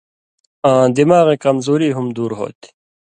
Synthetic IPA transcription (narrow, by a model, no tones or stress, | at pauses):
ãːd̪imaːɣekɐmzuːɾiːɦumd̪uːɾɦo̰ːt̪i̥